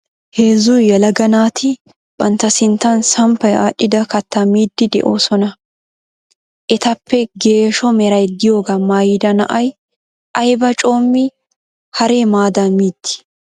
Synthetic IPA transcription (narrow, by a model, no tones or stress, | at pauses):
heːzujɛlɐɡɐnaːt̪ʰɪ | bɐnt̪ːɐsɪnt̪ːɐnsɐmpɐjaːʔɪd̪ɐkɐt̪ːɐmiːd̪ːɪd̪ɛ̰ʔo̞ːsɔnɐ | ʔɛt̪ɐpːɛɡe̞ːʃɔmɛɾɐjd̪ɪjo̞ːɡɐmaːjɪd̪ɐnɐ̰ʔɐj | ʔɐjbɐt͡ʃʼo̞ːmːɪ | hɐɾeːmaːd̪ɐmiːd̪̥ːɪ̥